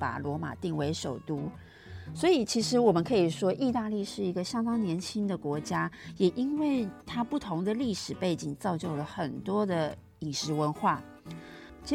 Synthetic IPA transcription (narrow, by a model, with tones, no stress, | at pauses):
pa̰˨˩lwɔ˧˥ma̰˨˩t̪i˥˩ŋwe˧˥ɪʂo˨˩ʊt̪u˥ | swɔ˧˥i˨˩t͡ɕʰi˧˥ʂɻ̩˧˥wɔ˨˩mə˦nkʰɤ˧˥i˨˩ʂwɔ˥ʔi˥˧t̪a˥˧li˥˧ʂɻ̩˥˩i˧˥ɡə˧ɕjɑ˥ŋt̪ɑ˥ŋnjɛ˧˥nt͡ɕʰi˥ŋd̪ə˨kwɔ˧˥t͡ɕja˥jɛ˨˩ʔi˥nwe˥˩ɪt̪ʰa˥pu˥˩t̪ʰo˧˥ŋd̪ə˨li˥˩ʂɻ̩˨˩pe˥˩ɪt͡ɕi˨˩ŋt͡sɑ˥˧ʊt͡ɕjo˥˩ʊlə˩xə˨˩nt̪wɔ˥d̪ə˨ | i˨˩ŋʂɻ̩˧˥wə˧˥nxwa˥˩ | t͡ɕi˥